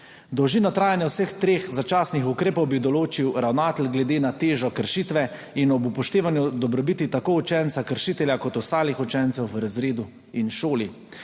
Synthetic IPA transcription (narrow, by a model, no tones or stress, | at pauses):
d̪ɔwʒiːnɔt̪ɾaːjanjɛwsəxt̪ɾeːxzat͡ʃaːsnixukɾeːpɔwbid̪ɔloːt͡ʃiwɾawnaːt̪əlɡlɛd̪eːnat̪eːʒɔkəɾʃit̪ʋɛ | inɔbupɔʃt̪eːʋanjud̪ɔbɾɔbit̪it̪akoːut͡ʃɛnt̪sakəɾʃiːt̪ɛljakɔt̪ɔst̪aːlixut͡ʃɛnt̪sɛwʋɾazɾeːd̪u | inʃoːli